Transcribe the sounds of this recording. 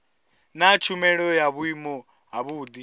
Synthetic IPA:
nat͡ʃʰumɛɺɔjaβuimɔ | ɦaβud̪i

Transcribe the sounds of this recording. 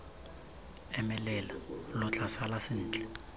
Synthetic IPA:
ɛmɛlɛlalʊt͡ɬʰʼasalasɪn̩ːt͡ɬʼɛ̥

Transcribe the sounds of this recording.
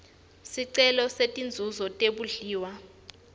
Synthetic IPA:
siǀɛlɔsetʼind͡zʱuzɔtʼeɓuɮiːwa

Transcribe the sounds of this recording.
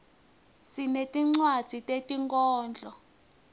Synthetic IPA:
sinetʼiŋ͡ǀwad̥z̥ʱitʼetʼiŋkʼɔːnd͡ɮʱɔ

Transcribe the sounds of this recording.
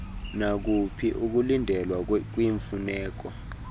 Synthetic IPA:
nak̬upʰiʔuk̬ulindʱɛlwak̬wiɱfunɛːk̬ɔ

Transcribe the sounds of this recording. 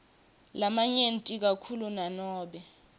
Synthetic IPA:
lamaɲentʼik̬akʰulunanɔːɓɛ

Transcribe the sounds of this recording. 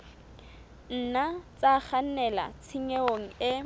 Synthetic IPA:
n̩nat͡sʼaχan̩nɛla̰t͡sʰiŋeoŋ̩ɪ

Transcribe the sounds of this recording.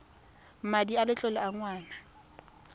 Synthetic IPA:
madialɪt͡ɬʼɔlɪaŋwaːna

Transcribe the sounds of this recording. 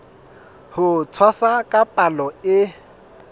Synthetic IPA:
hʊt͡sʰwasakʼapʼalɔɪ

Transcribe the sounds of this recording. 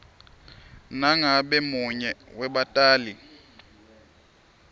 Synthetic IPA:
naŋabɛmʊɲɛwɛɓatʼaːli

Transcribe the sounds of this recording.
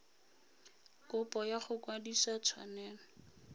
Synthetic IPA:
kʼʊpʼɔjaχʊkwadisat͡sʰwa̰nɛːnɔ

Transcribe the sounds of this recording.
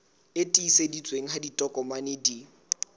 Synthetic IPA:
etʼiːsedit͡sʼweŋ̩ɦaditʼɔkʼɔmanɪdi

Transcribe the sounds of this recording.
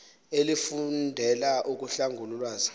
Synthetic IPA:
elifundʱɛlaʔuk̬uɬaŋɡʱululwaːzḁ

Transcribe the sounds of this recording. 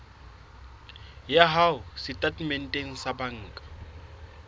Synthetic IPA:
jaɦaʊsɪtʼatʼmɛn̩tʼeŋ̩sabaŋ̩ːkʼḁ

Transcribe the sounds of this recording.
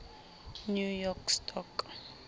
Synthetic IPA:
njujɔkstʰɔk

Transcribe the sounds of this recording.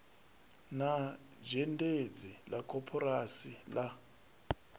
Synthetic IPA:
na | d͡ʒɛnded͡zilakʼɔpʰɔrasila

